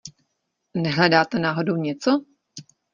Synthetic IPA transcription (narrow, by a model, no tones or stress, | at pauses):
nɛɦlɛdaːt̪ɛnaːɦodowɲɛt͡so